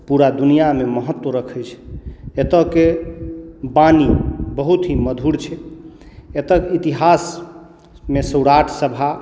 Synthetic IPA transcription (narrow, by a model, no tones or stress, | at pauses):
puɾad̪unijameməɦət̪ːwəɾəkʰəjt͡ʃʰet̪əke | banibəɦut̪ɦiməd̪ʱuɽt͡ʃʰɛ | et̪əkit̪iɦas | mesəɽaʈʰsəbʱa